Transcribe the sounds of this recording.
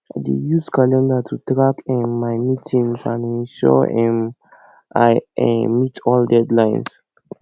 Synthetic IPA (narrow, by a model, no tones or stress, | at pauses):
adḛjuskalɛ̃ndatʰutɹakɛ̃nmajmitʰĩŋsã̰nɛ̃nʃɔ̰ɛ̃n | ajɛmitʰɔldɛdlãjns